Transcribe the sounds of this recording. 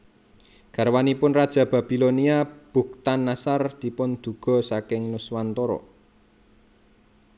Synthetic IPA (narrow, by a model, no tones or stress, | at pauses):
ɡ̥a̤ɾwanipʊnrad̥ʒ̥ä̤b̥a̤b̥i̤loniab̥ṳkt̪anːasard̪̥i̤pʊnd̪̥ṳɡ̥ɔ̤sakɪŋnʊswant̪ɔɾɔ̰